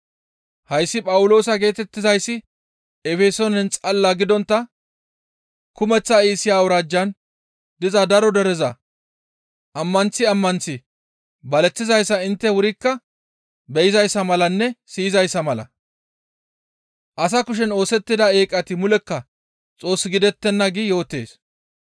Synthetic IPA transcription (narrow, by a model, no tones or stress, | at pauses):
hɐjsːɪpʼɐwʊlo̞ːsɐɡe̞ːt̪ɛt̪ːɪzɐjsːɪ | ɛfɛsonɛnt͡sʼɐlːaɡɪd̪ɔnt̪ːɐ | kʊmɛt͡sːɐiːsɪjaːwʊɾaːd͡ʒːɐn | d̪ɪzɐd̪ɐɾɔd̪ɛɾɛzɐ | ʔɐmːɐnt͡sːɪɐmːɐnt͡sːɪ | bɐlɛt͡sːɪzɐjsːɐɪnt̪ːɛwʊɾɪkːɐ | bɛjɪzɐjsːɐmɐlɐnːɛsiɪzɐjsːɐmɐlɐ̰ | ʔɐs̬ɐkʊʃ̬ɛno̞ːsɛt̪ːɪd̪ɐe̞ːkʼɐt̪ɪmʊlɛkːɐ | t͡sʼo̞ːsːɪɡɪd̪ɛt̪ːɛnːɐɡɪjo̞ːt̪ːe̞̰ːs